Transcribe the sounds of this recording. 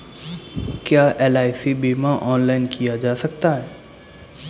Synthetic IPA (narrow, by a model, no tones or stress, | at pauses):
kjaːʔɛːlaːɪsibiːmãʔɔːnlaːɪnkijad͡ʒaːsɐkt̪aɦɛː